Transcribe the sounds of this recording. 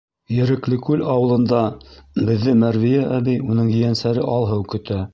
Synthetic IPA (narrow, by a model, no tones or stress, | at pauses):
jɘ̆ɾɘ̆klɘkʉlɑwɤ̆lˠɤ̆nd̪ɑbɘ̆ðːɘmæɾvijæʔæbijunɤɴjɘ̆jænsæɾɘʔɑlˠɦɤwkɵ̆t̪æ